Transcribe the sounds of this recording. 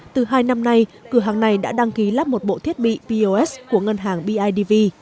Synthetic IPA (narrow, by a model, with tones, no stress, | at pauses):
t̪ɨ˨˩ɦaː˧jna˧mna˧jkɨ˧˩əɦaː˨˩ŋna˨˩jɗa̰ː˧˥ɗa˧ŋki˨˦laː˦˥p̚mo˨˩t̚ɓo̰˧˨t̪ʰi˦˥ət̚ɓḭ˧˨vi˧ʔo˧ʔɛ˦˥sku˧˩əŋə˧nɦaː˨˩ŋɓi˧ʔaː˧jɗi˧vi˧